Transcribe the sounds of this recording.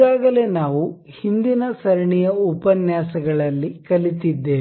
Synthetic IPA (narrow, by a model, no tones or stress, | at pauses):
aːɡɐle̞ːnaːʋu | hind̪inɐsɐɾɐɳijɐupɐnjaːsɐɡɐɭɐlːikɐlit̪id̪ːe̞ː